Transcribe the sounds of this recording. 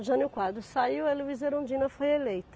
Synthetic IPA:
ʒɐ̃nɪʊkwad̪ɾʊsaiweluvizeɾõd͡ʒĩnɐfojelejt̪ʊ̥

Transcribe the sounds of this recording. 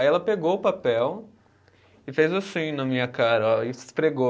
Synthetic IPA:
ajɛlɐpeɡoʊpapɛw | ɪfejzʊsũɲũnɐmĩɲɐkaɾɐɪspɾeɡo

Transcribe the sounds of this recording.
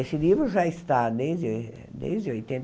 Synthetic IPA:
esɪnivɾʊʒaɪst̪ad̪ejzd̪ | d̪ḛjzd̪ɪojt̪ẽn

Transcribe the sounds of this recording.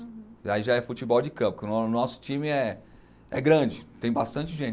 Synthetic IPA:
aiʒaɛfut͡ʃibɔwd͡ʒɪkɐ̃pʊ̥kɪʊnnɔsʊ̥t͡ʃĩmɪɛ | ɛɡɾɐ̃d͡ʒɪt̪ẽj̃bast̪ɐ̃nt͡ʃɪʒẽt͡ʃ

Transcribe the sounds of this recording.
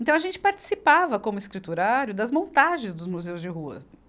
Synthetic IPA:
ẽnt̪ɐ̃w̃ɐʒẽnt͡ʃɪ̥paɾt͡ʃɪ̥sipavɐkõmʊɪskɾit̪uɾaɾjʊd̪ɐzmõnt̪aʒẽj̃zd̪ʊzmuzewzd͡ʒɪɦuɐ̰

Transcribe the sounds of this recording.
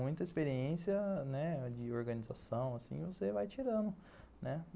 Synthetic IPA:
ũj̃t̪ɐispeɾiẽsiɐnɛd͡ʒɪoɾɡɐ̃nizasɐ̃w̃asḭ̃vosevajt͡ʃiɾɐ̃nʊ | nɛ

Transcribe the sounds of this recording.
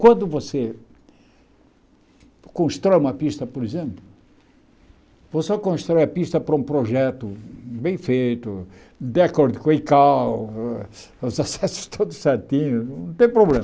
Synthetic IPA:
kwɐ̃nd̪ʊvose | kõst̪ɾɔjumɐpiʃt̪ɐpoɾizẽmplʊ | vosɔkõʃt̪ɾɔjɐpiʃt̪ɐpɾɐũpɾoʒɛt̪ʊbẽj̃fejt̪ʊ | d̪akoɾd̪ukõẽkaw | uzasɛsʊ̥ʃt̪ʰod̪uʃsat̪ĩɲũt̪ẽj̃pɾoblẽm

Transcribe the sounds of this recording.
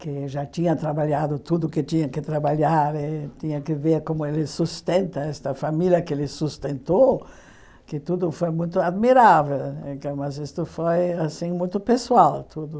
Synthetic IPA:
kɪʒat̪ĩɲɐt̪ɾabaʎad̪ʊt̪ud̪ʊkɪt̪ĩɲɐkɪt̪ɾabaʎaɾɪt̪ĩɲɐkɪveɾkõmʊelɪsust̪ẽnt̪ɐɛst̪ɐfamiljɐkelɪsust̪ẽnt̪o | kɪt̪ud̪ʊfojmũj̃t̪ʊad̪miɾavelẽkɐ̃w̃mɐzist̪ʊfojasĩŋmũj̃t̪ʊpeswalt̪ʰud̪ʊ

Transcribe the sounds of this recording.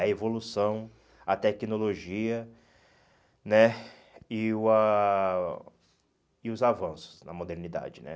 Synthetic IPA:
ɐevolusɐ̃w̃ | ɐt̪ɛkinoloʒiɐ | nɛ | ɪʊɐ | ɪʊzavɐ̃sʊ̥snɐ̰mod̪eɾnid̪a̰d͡ʒɪnɛ̰

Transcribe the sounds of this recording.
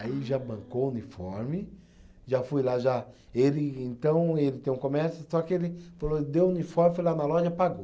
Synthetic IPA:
aiʒabɐ̃ŋkounifɔɾmɪ | ʒafujlaʒa | elɪẽnt̪ɐ̃w̃elɪt̪ẽj̃ũkõmɛɾsjʊsɔkɪelɪfalod̪ewunifɔɾmfojlanɐlɔʒɐpaɡo

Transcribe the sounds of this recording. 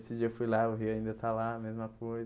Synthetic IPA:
sɪd͡ʒiɐewfujlaʊɦiaĩnd̪ɐt̪alamezmɐkojz

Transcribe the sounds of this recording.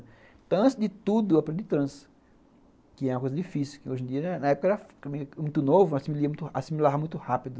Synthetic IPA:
t̪ɐ̃w̃ɐ̃t̪ɪzd͡ʒɪt̪ud̪ʊɐpɾẽd̪d̪ɪt̪ɾɐ̃s | kɪɛũɐkojzɐdifisiwkɪojʒẽd͡ʒiɐnɐɛpʊkɐɛɾɐfkɐmĩmũj̃t̪ʊnovʊasimiliɐmũt̪ʊasimilavɐmũj̃t̪ʊhapid̪ʊ

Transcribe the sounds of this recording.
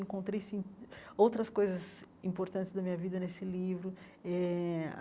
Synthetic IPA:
ĩŋkõnt̪ɾejsĩowt̪ɾɐskojzɐzĩmpoɾt̪ɐ̃nt̪ɪzd̪ɐmĩɲɐvid̪ɐnesɪlivɾʊ | ɛ

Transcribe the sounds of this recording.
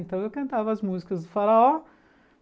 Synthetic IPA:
nt̪ɐ̃w̃ewkɐ̃nt̪avɐɐzmuzikɐzd̪ɨfɐɾɐɔ

